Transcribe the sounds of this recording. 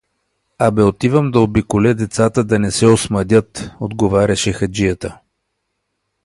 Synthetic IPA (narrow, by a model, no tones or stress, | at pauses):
abɛot̪ivəmd̪ɐobikolʲɛd̪ɛt̪sat̪əd̪ɐnɛsɛosmɐd̪ʲət̪od̪ɡovaɾʲɐʃɛxɐd͡ʒijət̪ə